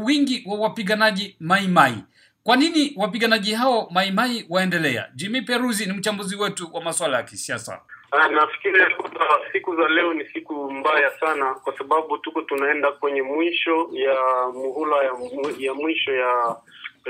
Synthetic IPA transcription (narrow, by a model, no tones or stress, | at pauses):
wiŋɡiwawapiɠanaʄimaimaḭ | kwaniniwapiɠanaʄihaɔmaimaiwaɛndɛlɛa̰d͡ʒimipɛɾuzinim̩t͡ʃambuziwɛtuwʔamaswalajakisiasa̰nafi̥kiɾiakuasikuzalɛɔnisikumbajasanakwasaɓaɓutukɔtunaɛndakwɛɲɛmwiʃɔjamuhulajajamwiʃɔja